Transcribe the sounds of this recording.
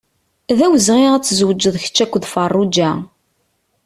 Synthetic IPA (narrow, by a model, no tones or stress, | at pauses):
ðæwəzʁiʁæt͡sːəzwəd͡ʒːəðˤçə̥t͡ʃːækʷːðfɑrˤːud͡ʒæ